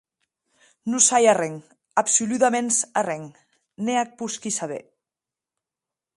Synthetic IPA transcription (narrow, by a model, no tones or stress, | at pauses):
nusajarɛŋ | apsuluðamensarɛŋ | neak̚puskisaβḛ